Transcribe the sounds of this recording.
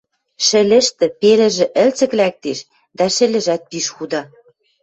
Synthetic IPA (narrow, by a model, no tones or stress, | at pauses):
ʃɘ̆lʲɘ̆ʃt̪ɘ̆pelɘ̆ʒɘ̆ʔɘ̆lt͡sɘ̆klæk̚t̪eʃ | d̪æʃɘ̆lɘ̆ʒæt̪̚piʃxud̪ɑ